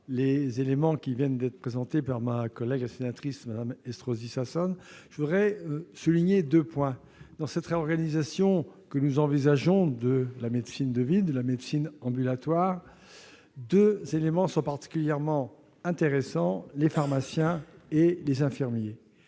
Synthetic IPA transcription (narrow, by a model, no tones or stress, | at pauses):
lezelemɑ̃kʲivjɛnd̪ɛt̪χəpχezɑ̃t̪epaʁmakɔlɛɡlasenat̪χismad̪amɛst̪χozisasɔnʒ̥əvud̪ʁɛøsuliɲed̪øpwɛ̃ | d̪ɑ̃sɛt̪ʁeɔʁɡanizasjɔ̃kənuzɑ̃vizaʒɔ̃d̪əlamed̪sind̪əvid̪əlamed̪sinɑ̃bylat̪waʁ | d̪øzelemɑ̃sɔ̃paʁt̪i̥kʲyljɛʁmɑ̃ | ɛ̃t̪eʁesɑ̃lefaʁmasjɛ̃elezɛ̃fiʁmje